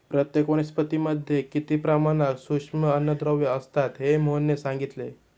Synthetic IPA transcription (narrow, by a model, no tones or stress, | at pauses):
pɾət̪jekʋoñispət̪iməd̪ʱjekit̪ipɾamanaksukʂməənːəd̪ɾəʋjəəst̪at̪ɦemonjesãŋɡit̪le